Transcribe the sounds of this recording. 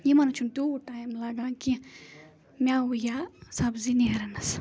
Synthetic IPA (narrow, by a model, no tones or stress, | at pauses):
jemanɐt͡ʃʰunt̪uʈajmlaɡaki | mʲaujasabziniɦɐɾɐnɐs